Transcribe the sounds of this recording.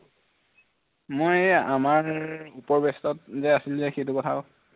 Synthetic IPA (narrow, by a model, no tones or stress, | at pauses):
mojamaɹupɔɹbɛstɔt̚zɛasilzɛxejtukɔtʰa